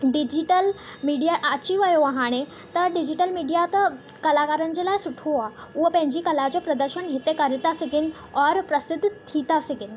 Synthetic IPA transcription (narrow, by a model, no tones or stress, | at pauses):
ɖid͡ʑiʈəlmiɖijaʔat͡ɕiʋəjoʋaɦaɽ̃e | t̪əɖid͡ʑiʈəlmiɖijat̪ə | kəlakaɾənd͡ʑelajsuʈʰoaʋəpɛ̃ɲd͡ʑiːkəlat͡ɕɔpɾəd̪əɾɕənɦet̪ekəɾit̪asiɡin | ɔɾpɾəsɪd̪ʱːt̪ʰit̪asiɡin